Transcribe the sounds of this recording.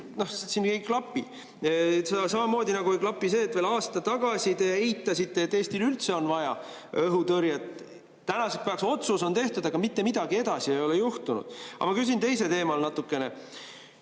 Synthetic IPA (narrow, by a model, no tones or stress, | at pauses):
no̞hsinkejkklɑpːˑi | ssɑmɑmoːd̪ʲinɑɡuklɑpːˑise̞ːt̪ːveːlɑːst̪ɑt̪ɑɡ̥ɑsʲit̪eejt̪ˑːɑsit̪ːˑet̪ːeːsʲt̪ilylt̪se̞o̞nvɑjɑ̰ | ɤɦut̪ɤɾjɑt̪ | t̪ːænɑsekspɑɑkso̞t̪suso̞nt̪e̞ht̪ud̪̥ɑɡɑmit̪ːe̞mid̪̥ɑɡie̞d̪̥ɑsie̞jo̞lejuht̪unṵd̪̥ɑ̰mɑkys̬int̪e̞jse̞t̪e̞ːmɑlnɑt̪ːˑukːˑe̞ne̞